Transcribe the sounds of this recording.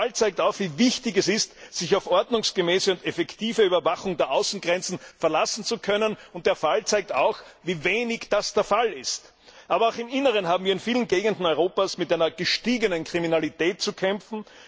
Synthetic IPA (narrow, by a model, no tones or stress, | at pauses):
alt͡sæɪk̚taʊxviːvɪçtɪçɛsɪstz̥ɪçaʊfʔɔɐdnʊŋsɡ̥əmɛːsəʊntɛfɛktiːvəyːbɐvaxʊŋdeːɐʔaʊsn̩ɡʁɛnt͡sn̩fɛɐlasn̩t͡sukʰœnənʊnt̚d̥eːɐfalt͡sæɪk̚ta̰ʊxviːveːnɪçd̥asd̥eːɐfalɪst | ʔaːbɐaʊxɪmɪnəʁənhaːbm̩viːɐɪnfiːlənɡeːɡəndn̩ɔʏʁoːpaːsmɪtʔæɪnɐɡ̥əʃtiːɡənənkʁ̥iminalitɛːt̚t͡sukʰɛmfn̩